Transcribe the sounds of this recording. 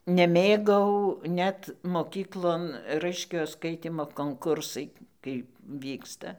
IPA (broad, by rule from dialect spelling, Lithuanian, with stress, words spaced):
nʲɛˈmʲeːɡɐʊ ˈnʲɛt moːˈkʲiːklˠoːn ˈrɐɪʃʲkʲoːjoː ˈskɐɪtʲiːmoː koːŋˈkʊrsɐɪ kɐɪp ˈʋʲiːkstɐ